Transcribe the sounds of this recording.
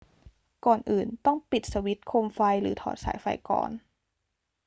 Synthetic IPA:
kɔː˨˩nʔɯː˨˩nt̪ɔ˥˩ŋpi˨˩t̪̚sa˧wi˦˥t̪̚kʰoː˧mfa˧jɾɯː˩˦t̪ʰɔ̰ː˩˦t̪̚sa̰ː˩˦jfa̰˧˩jkɔ̰ː˨˩n

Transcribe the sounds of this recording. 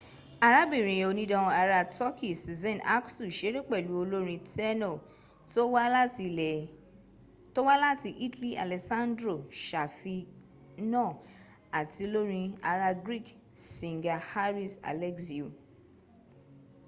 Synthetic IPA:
a˧ɾa˦bĩ˦˨ɾ̃ĩ˨o˧nĩ˦dɔ̃˧a˧ɾa˧tɔ˦kʰi˦˨si˨zɛ̃˦˨nʔa̰˦ksu˦˨ʃe˨˦ɾe˦k͡pɛ˦˨lu˨˦o˧lo˦ɾ̃ĩ˧tʰɛ˦nɔ˦˨ | to˦wa˦i˧ɛ˨ | to˦wa˦la˦ti˧ʔi˦tli˦a̰˨lɛ˨sã˦ndɾo˦˨ʃa˨fi˧ | nɔ̃˦˨ | a˨ti˧lo˦ɾĩ˧a˧ɾa˧ɡɾi˦˨k | sĩ˨ŋ˨ɡa˧ha˦ɾi˦˨sa̰˨lɛ˦ksi˨u˨

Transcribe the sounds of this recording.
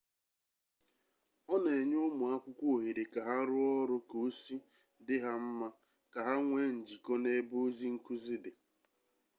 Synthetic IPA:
ɔ˦ne˨ɲʊ˦mʊ˨a˦kʷʊ˦kʷo˨ɦe˨ɾe˨ka˨ɦa˦ɾʊ˦ɔ˦ɾʊ˦ko˨˦si˦ | dɪ˦ɦa˦m̩˦ma˦ | ka˨ɦa˦ŋʷe˦n̩˨d͡ʒi˨kɔ˦ne˦bo˦zi˦ŋ̩˦ku˦zi˦dɪ˨

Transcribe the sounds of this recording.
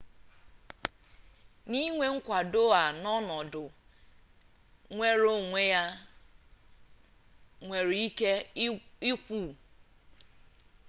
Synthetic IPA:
ni˦ŋʷe˦ŋ̩˦kʷa˨do˦a˨nɔ˦nɔ˨dʊ˨ | ŋʷe˦ɾo˦ŋʷe˦ja˦ | ŋʷe˨ɾi˦ke˦i˦kʷu˦˨

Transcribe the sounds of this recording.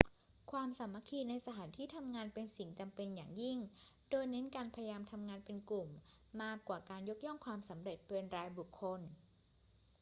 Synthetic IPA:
kʰwaː˧msa˩˦mːa˧˥˩kʰiː˧na˧jsa˧t̪ʰaː˩˦nt̪ʰiː˥˩t̪ʰa˧mŋaː˧npe˧nsi˩˦ŋt͡ɕa˧mpe˧nja̰ː˨˩ŋji˥˩ŋdoː˧jne˦˥nkaː˧npʰa˧ja˧jaː˧mt̪ʰa˧mŋaː˧npe˧nklu˨˩mː | aː˥˩kːwaː˨˩kaː˧njo˦˥k̚jɔ˥˩ŋkʰwaː˧msa˩˦mɾe˨˩t̪̚pe˧nɾaː˧jbu˨˩kʰːo˧n

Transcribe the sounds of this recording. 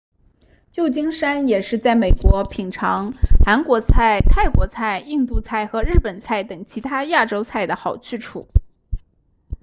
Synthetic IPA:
t͡ɕjo˥˩ʊt͡ɕi˥ŋʂa˥njɛ˨˩ʂɻ̩˥˧t͡sa˥˩ɪme˨˩ɪkwɔ˧˥pʰi˨˩ŋʈ͡ʂʰɑ˧˥ŋxa˧˥nkwɔ˧˥t͡sʰa˥˩ɪt̪ʰa˥˩ɪkwɔ˧˥t͡sʰa˥˩ɪi˥˧ŋt̪u˥˧t͡sʰa˥˩ɪxɤ˧˥ɻɻ̩˥˩pə˨˩nt͡sʰa˥˩ɪt̪ɤ˨˩ŋt͡ɕʰi˧˥t̪ʰa˥ja˥˩ʈ͡ʂo˥ʊt͡sʰa˥˩ɪd̪ə˩xɑ˨˩ʊt͡ɕ̩ʰ˥˩ʈ͡ʂʰṵ˥˩˦

